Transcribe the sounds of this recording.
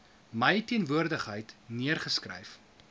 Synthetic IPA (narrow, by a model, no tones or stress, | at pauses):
məjtiənvuərdəχɦəjtniərχəskrə̰jf